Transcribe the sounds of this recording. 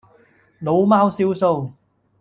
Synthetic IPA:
lo˨˥wmaː˥wsiː˥wso˧w

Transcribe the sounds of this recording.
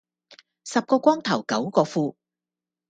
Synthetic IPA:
sɐ˨p̚kɔː˧kʷɔː˥ŋt̪ʰɐ˨˩wkɐ˨˥wkɔː˧fuː˧

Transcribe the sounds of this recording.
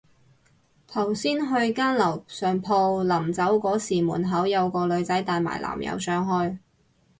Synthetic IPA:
t̪ʰɐ˨˩wsiː˥nɦɵ˧ɥkaː˥nlɐ˨˩wsœː˨ŋpʰɔː˧lɐ˨˩mt͡sɐ˨˥wkɔː˨˥siː˨˩muː˨˩nɦɐ˨˥wjɐ˨˧wkɔː˧lɵ˨˧ɥt͡sɐ˨˥jt̪aː˨˧jma̰ː˨˩jlʔa̰ː˨˩mjɐ̰˧wsœː˧˥ŋɦɔː˥j

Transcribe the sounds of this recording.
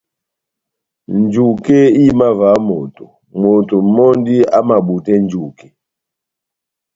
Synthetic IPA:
nd͡ʒu˨kɛ˦i˦ma˦va˨˦mo˨tɔ˨ | mo˨to˨˦mɔ˦ndi˦a˦ma˨ɓu˨tɛ˦n˦d͡ʒu˨kɛ˨

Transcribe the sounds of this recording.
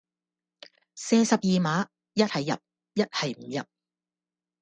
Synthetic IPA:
seː˧sɐ˨p̚jiː˨maː˨˥ | jɐ˥t̚hɐ˨jːɐ̰˨p̚ | jɐ˥t̚hɐ˨jm̩˨˩jɐ˨p̚

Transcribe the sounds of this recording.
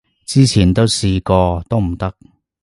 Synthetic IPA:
t͡siː˥t͡sʰiː˨˩nt̪o˥wsiː˧kɔː˧t̪o˥wm̩˨˩t̪ɐ˥k̚

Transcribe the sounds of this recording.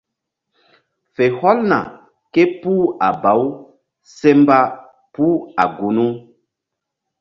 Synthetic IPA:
fe˨hɔ˦lna̰˨ | ke˦pu˦a˨ba˨˦w | se˦mba˦ | pu˦a̰˨ɡu˨nu˦

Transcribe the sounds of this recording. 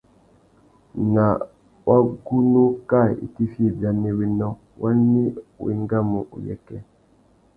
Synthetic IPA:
na˨ | wa˦ɡu˦nu˦ka˦˨ḭ˨ti˦fi˦˨bja˨ne˦wi˦nɔ˦ | wa˦ni˦˨wḭ˦ŋɡa˦mu˨ʔṵ˨jɛ̰˦kɛ˦

